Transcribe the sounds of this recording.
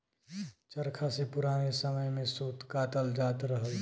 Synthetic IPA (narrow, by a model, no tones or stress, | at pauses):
t͡ʃəɾkʰasepʊɾaːnesəməjmẽsoːt̪kaːt̪əld͡ʒaːt̪ɾəɦəl